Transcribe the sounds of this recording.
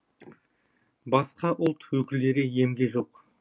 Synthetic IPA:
bɑsqɑʔʊlˠt̪wɵkʲɪlːe̞ɾeje̞mɡʲeʒo̞q

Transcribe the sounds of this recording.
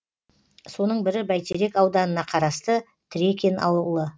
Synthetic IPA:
so̞nəɴbɪɾɪbæjt̪ʰeɾe̞kɑwd̪ɑnənɑqʰɑɾɑst̪ə | t̪ʰɪɾe̞kʲʰe̞nʔɑ̰wlˠə

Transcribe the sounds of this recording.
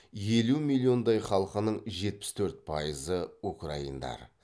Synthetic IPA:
je̞lumilʲˠːio̞nd̪ɑjχɑlˠəqənəɴʒe̞t̪̚pɪ̥st̪ʰɵɾt̪̚pʰɑjəzəukraind̪ɑ̰ɾ

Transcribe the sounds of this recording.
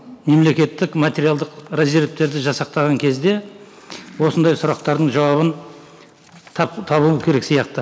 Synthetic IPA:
me̞mle̞kʲe̞t̪ːɪkmat̪ʲe̞ɾijalˠd̪əqɾaziɾep̚t̪e̞ɾd̪ɪʒɑsɑq̚t̪ɑʁɑŋkʲʰe̞zd̪e̞ | wo̞sənd̪ɑjsʊɾɑq̚t̪ɑɾd̪əɴʒɑwɑβən | pt̪ʰɑβuəkʲʰe̞ɾe̞ksijɑq̚t̪ə

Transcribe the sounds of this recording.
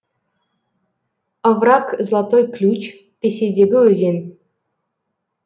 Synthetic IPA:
ə̆vrɑkzlˠɑt̪ojklʲut͡ɕ | pʲesʲedʲeɡʲɘɵzʲenʲ

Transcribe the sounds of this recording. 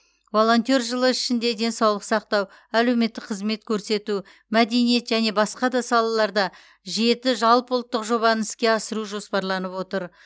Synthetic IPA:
vo̞lˠo̞nt̪o̞rʒəlˠəɪʃɪnd̪e̞d̪e̞nsɑwlˠəqsɑq̚t̪ɑw | æle̞wme̞t̪ːɪk̚qʰəzme̞t̪kʲʰɵɾse̞t̪u | mæd̪e̞nije̞t̪ʒæne̞bɑsqɑd̪ɑsɑlˠɑlˠɑɾd̪ɑ | ʒe̞t̪ɪʒɑlˠpʊlˠt̪ːəqʒo̞bɑnɪskʲe̞ɑsəɾuʒo̞spɑɾlˠɑnəpwo̞t̪əɾ

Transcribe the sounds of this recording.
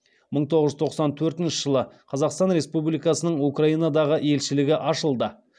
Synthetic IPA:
məɴt̪ʰo̞ʁəzʒʏzt̪ʰo̞qsɑnt̪ʰɵɾt̪ɪnʃɪʒ̥əlˠəqʰɑzɑqst̪ɑnɾe̞spublijkɑsənəɴukraijnɑd̪ɑʁəe̞lʃɪlɪɡʲɪʔɑʃəlˠd̪ə

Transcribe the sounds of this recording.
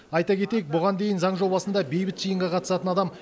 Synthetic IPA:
ɑjt̪ɑkʲʰe̞t̪e̞jek̚bʊʁɑnd̪e̞jɪnzɑɴʒo̞bɑsənd̪ɑbe̞jbɪt̪ʒ̥ijəɴʁɑqʰɑt̪ə̥sɑt̪ənɑd̪ɑm

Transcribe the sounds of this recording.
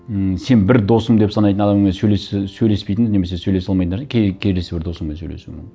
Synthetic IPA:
se̞nbɪɾd̪o̞səmd̪e̞psɑnɑjt̪ənɑd̪ɑmɴesɵjlessɵjle̞spejt̪ɪŋzne̞me̞s̬e̞sɵjle̞sɑlˠmɑjt̪nʲʰekʲʰeɾd̪esebɪɾd̪o̞səmensøjlesṵmɪ̰ŋ

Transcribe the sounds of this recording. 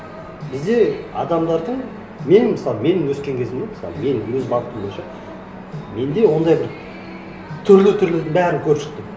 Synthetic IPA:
bɪzd̪e̞ɑ̰d̪ɑmd̪ɑɾd̪əɴ | me̞nməsɑlˠəme̞nɪŋwɵskʲe̞ŋkʲʰe̞zɪmoməsɑ̰lˠme̞nɪzbɑlˠət̪ːəmbo̞jɪnʃɑ | me̞nd̪e̞wo̞nd̪ɑjbɪɾ | t̪ʰʏɾlɪt̪ʰʏɾleɾd̪ɪŋbæɾɪŋkʲʰɵɾʃɪ̥k̚ʲt̪ɪm

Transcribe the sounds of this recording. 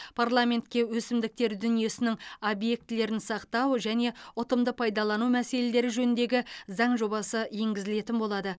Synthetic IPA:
pʰarlˠamʲe̞nt̪kʲe̞wɵsɪmd̪ɪk̚t̪e̞ɾd̪ʏnije̞sɪnɪŋobje̞k̚t̪ɪle̞ɾɪnsɑqt̪ɑwʒæne̞ʊt̪əmd̪əpʰɑjd̪ɑlˠɑnumæse̞le̞le̞ɾɪʒɵnɪnd̪e̞ɡʲɪzɑɴʒo̞bɑsəje̞ŋɡʲɪzɪle̞t̪ɪnbo̞lˠɑd̪ə

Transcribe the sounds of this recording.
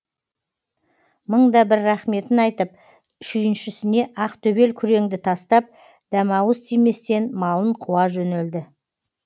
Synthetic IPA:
məɴd̪ɑbɪɾːæχme̞t̪ɪnɑjt̪əp̚ | ʃʏjɪnʃɪsɪne̞ʔɑqt̪ʰɵbe̞lkʲʰʏɾe̞ŋd̪ɪt̪ʰɑst̪ɑp̚ | d̪̥æmɑwəst̪ʰijme̞st̪e̞nmɑlˠəɴqʰuwɑʒɵneld̪ɪ

